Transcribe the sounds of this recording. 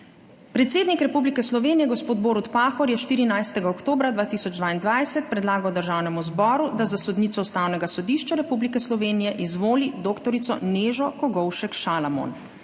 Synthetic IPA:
pɾɛt̪seːd̪nikɾɛpublikɛslɔʋeːnijɛɡospoːd̪boːɾut̪paːxɔɾjɛʃt̪iːɾinajst̪ɛɡaɔkt̪oːbɾad̪ʋaːt̪isɔd͡ʒd̪ʋaːind̪ʋajsɛt̪̚pɾɛd̪laːɡawd̪əɾʒaːwnɛmuzbɔːɾud̪azasɔd̪niːt̪sɔust̪aːwnɛɡasɔd̪iʃt͡ʃaɾɛpublikɛslɔʋeːnijɛʔizʋoːlid̪oːkt̪ɔɾit̪sɔ̰neːʒɔkɔɡɔwʃɛkʃalamo̰n

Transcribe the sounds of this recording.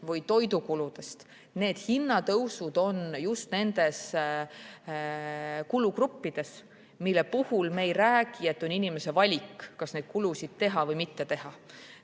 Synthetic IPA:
vɯjt̪o̞jd̪ukulud̪̥e̞st̪ | ne̞ːd̪̥hinːɑt̪ɤwsud̪̥o̞njust̪ne̞nd̪̥e̞s | kulukrupːid̪̥e̞s | milːe̞puhulme̞jræːɡ̥ie̞t̪ːˑo̞ninime̞se̞vɑlʲikːɑsne̞ːd̪̥̚kulusid̪̥̚t̪e̞ɦɑvɤjmit̪ːe̞t̪e̞ɦɑ

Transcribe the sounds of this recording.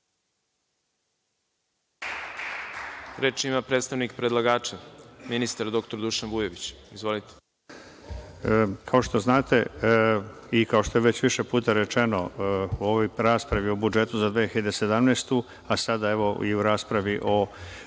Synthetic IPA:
ɾeːt͡ʃimapɾet̪st̪aʋnikpɾed̪lˠaɡaːt͡ʃaminist̪aɾd̪o̞k̚t̪oɾd̪uʃanbujeʋit͡ɕizʋo̞lit̪e̥ | kʰao̞ʃt̪o̞znaːt̪e̞ | ikao̞ʃt̪oeʋe̞t͡ɕʋiʃepuːt̪aɾe̞t͡ʃe̞no̞uoʋojɾaːspɾaʋio̞bud͡ʒe̞t̪uzad̪ʋeːçiʎad̪ese̞d̪amneːst̪u | asad̪ae̞ʋo̞iuɾaːspɾaʋiʔo̞

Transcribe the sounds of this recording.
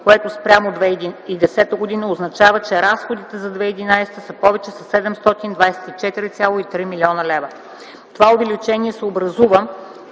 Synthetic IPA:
koɛt̪ospɾʲamod̪vɛd̪iid̪ɛsɛt̪əɡod̪inəoznɐt͡ʃavət͡ʃɛɾasxod̪it̪ɛzɐd̪vɛid̪inajsɛ̥t̪əsəpɔvɛt͡ʃɛsɐsɛd̪ɛmst̪ɔt̪ind̪vajsɛ̥t̪it͡ʃɛt̪iɾit̪sʲjalˠoit̪ɾimilʲiɔnəlɛvə | t̪ovaovɛlit͡ʃɛniɛsɛobɾɐzuvə

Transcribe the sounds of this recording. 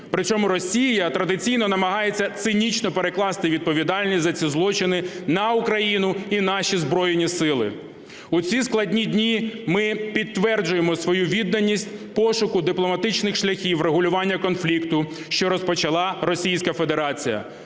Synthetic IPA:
pɾɪt͡sʲɔmʊɾɔsʲijɐt̪ɾɐd̪ɪt͡sʲijnɔnɐmɐɦɑjet͡sʲːɐt̪sɪnʲit͡ʃnɔpeɾeklˠɑst̪ɪʋʲid̪̚pɔʋʲid̪ɑlʲnʲisʲzɐt͡sʲizlˠɔt͡ʃɪnɪnɐʊkɾɐjinʊinɑʃʲizbɾɔjenʲisɪlˠɪ̰ | ut͡sʲisklˠɐdʲnʲidʲnʲimɪpʲid̪t̪ːʋɛrd͡ʒʊjemɔsʋɔjuʋʲid̪nɐnʲːisʲtʲpɔʃʊkʊd̪ɪplˠɔmɐt̪ɪt͡ʃnɪxʃlʲɐxʲiwreɦʊlʲʊʋɑnʲːɐkɔnflʲikt̪ʊ | ʃt͡ʃɔɾɔspɔt͡ʃɐlˠɑɾɔsʲijsʲkɐfe̞d̪eɾɑt͡sʲijɐ̰

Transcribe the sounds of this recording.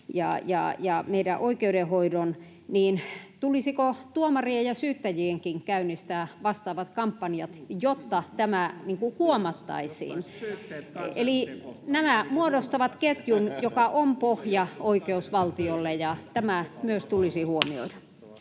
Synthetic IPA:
jɑ̰jɑ̰jɑmeidæʔoikeudehoidon | niːnt̪ulisikot̪uomɑriejɑsyːt̪ːæjieŋkiŋkæynist̪æːʋɑst̪ɑːʋɑt̪kɑmpːɑnijɑt̪jot̪ːɑt̪æmæniŋkuhuomɑt̪ːɑ̰isḭːn | elinæmæmuodost̪ɑʋɑt̪ket̪junjokɑʔompohjɑoikeusʋɑlt̪iolːejɑt̪æmæmyøst̪ulisihuomio̰idɑ

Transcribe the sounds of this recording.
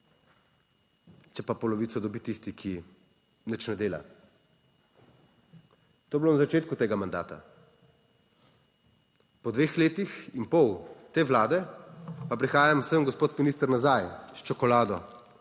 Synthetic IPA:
t͡ʃɛpapɔlɔʋiːt̪sɔd̪ɔbit̪ist̪ikʰi | nət͡ʃnɛd̪eːla̰ | t̪oːblonazat͡ʃeːt̪kut̪eːɡamand̪a̰ːt̪a̰ | pɔd̪ʋeːxleːt̪ixinpɔwt̪eːʋlaːd̪ɛpapɾixaːjamwsəmɡɔspoːt̪miniːst̪əɾnazajʃt͡ʃɔkɔlaːd̪ɔ

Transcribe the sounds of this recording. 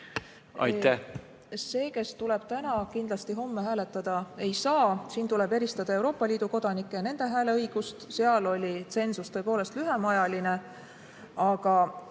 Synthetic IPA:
ɑ̰jt̪ːæh | se̞ːke̞st̪ule̞b̥t̪ænɑkind̪lɑst̪iɦo̞mːeɦæːle̞t̪ːˑɑd̪̥ɑe̞jsɑːsiːnt̪ule̞be̞ɾist̪ɑd̪̥ɑe̞wɾo̞ːpːˑɑlʲiːd̪̥uko̞d̪̥ɑnikːˑene̞nd̪̥e̞ɦæːle̞ɤjɡ̥ust̪seɑlo̞lʲit̪se̞nsust̪ɤ̞epo̞ːlest̪lyɦemɑjɑline | ɑɡ̥ɑ

